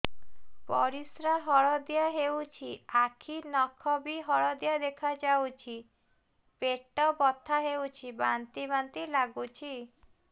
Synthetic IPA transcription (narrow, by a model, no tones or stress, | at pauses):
pɔ̰ɾisɾaɦɔɭɔd̪jaɦewt͡ʃʰiakʰinɔkʰɔbiɦɔɭɔd̪jad̪ekʰad͡ʒawt͡ʃʰi | peʈɔbɔt̪ʰaɦewt͡ʃʰibant̪ibant̪ilaɡut͡ʃʰi